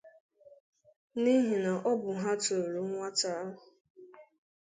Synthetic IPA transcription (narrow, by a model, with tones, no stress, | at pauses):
ni˦ɦi˨na˨ʔɔ˦bʊ˨ɦa˦to˨ɾu˨˦ŋʷa˦ta˦a˦ɦʊ˨